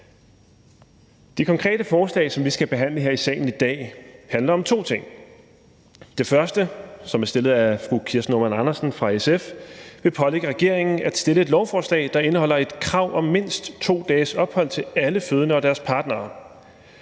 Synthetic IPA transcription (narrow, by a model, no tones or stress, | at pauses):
d̥ikʰɒ̽ŋkʰʁɛ̰ːd̥əfɒːslɛ̰ːsɒ̽mʋisɡ̥æb̥e̝ɦæn̰ləɦe̝ɐisɛ̰ːɪn̩id̥ɛ̰ːhænlɐɒ̽mt͡sʰo̝̰ːt͡sʰe̝ŋ̰ | d̥e̝fɶɐsd̥əsɒ̽mæɐsd̥e̝lð̞̩ˠæfʁukʰiɐsnomænɑnɐsn̩fʁɑ̈esefʋe̝pʰɒ̽leɡ̥əʁɛɡ̥e̝ɐ̰eŋn̩æd̥sd̥e̝ləe̝d̥lɒʊfɒːslɛ̰ːɪd̥ɑ̈e̝nəhɒ̽l̰ɐe̝d̥kʰʁɑ̈ʊ̰ʔɒ̽mːe̝n̰sd̥t͡sʰo̝̰ːd̥ɛːsɒ̽b̥hɒ̽l̰t͡sʰe̝æləføð̞ˠənəɒ̽d̥æɐspʰɑ̈ːd̥nɐː